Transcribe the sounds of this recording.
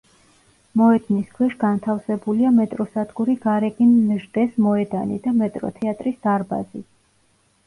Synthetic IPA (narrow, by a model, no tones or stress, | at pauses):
mɔɛd̪niskʰwɛʃɡant̪ʰafsɛbuliamɛt̪ʼɾɔsad̪ɡuɾiɡaɾɛɡinːʒd̪ɛsmɔɛd̪anḭd̪amɛt̪ʼɾɔ̰t̪ʰɛat̪ʼɾisd̪̥aɾba̰zḭ